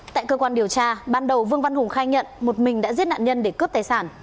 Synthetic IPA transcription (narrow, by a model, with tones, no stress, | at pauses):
t̪a̰ː˧˨jkəː˧kwaː˧nɗi˨˩əwt͡ɕaː˧ɓaː˧nɗə˨˩wvɨ˧əŋva˧nhʊ˨˩ŋ͡mxaː˧jɲə̰˧˨nmo˨˩t̚mï˨˩ŋ̟ɗa̰ː˧˥zi˦˥ət̚na̰ː˧˨nɲə˧nɗe˧˩kɨ˦˥əp̚t̪aː˨˩jsaː˧˩n